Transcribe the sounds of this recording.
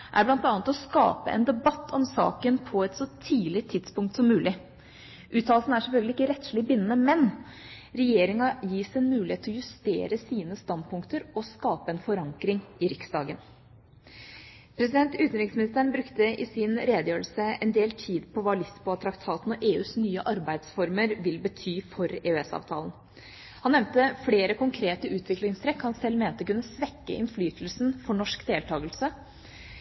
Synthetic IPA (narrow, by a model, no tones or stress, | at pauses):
ʔæ̰ɾblɑnt̪ɑnət̪ɔskɑ̰ːpəʔɛ̰nd̪ɛbɑt̪ːʰɔmsɑ̰ːkənpʰɔɛt̪sɔt̪ʰiːlɪt̪ʰːɪd̪spʊŋkt̪sɔmːʉːlɪ | ʔʉːt̪ʰːɑːlsn̩æʂɛlfœlɡlɪɪkːəɾɛt̪ʂlɪbɪnənəmɛn | ɾɛjeːɾɪŋɑjiːsɛnmʉːlɪeːt̪ʰːlɔjʉst̪ḛːɾəsiːnəst̪ɑnd̪̚pʰʊŋkt̪əɾɔskɑːpəɛnfɔɾɑŋkɾɪŋɪɾɪksd̪ɑ̰ːɡən | pʰɾɛs̬ɪd̪ɛnt̪ʉːt̪ənɾɪksmɪnɪst̪əɳbɾʉkt̪əʔɪsɪnɾeːd̪əjøːɾəlsəɛnd̪eːlt̪ʰiːd̪pʰɔʋɑːlɪspɔɑt̪ʰɾɑkt̪ʰɑːt̪n̩ɔʔeːʉːsnyːəʔɑɾbæɪd̪sfɔɾməɾʋɪlbət̪ʰyːfɔɾeːʉɛsɑ̰ːʋt̪ʰɑ̰ːlən̩ | hɑnːɛmnt̪əfleːɾəkʰʊŋkʰɾeːt̪əʉːt̪ʰʋɪklɪŋst̪ʰɾɛkhɑnsɛlːmeːnt̪əkʉnːəsʋɛkːə̰ʔɪ̰nflyːt̪l̩snfɔɳɔʂkd̪eːlt̪ʰɑːɡəlsə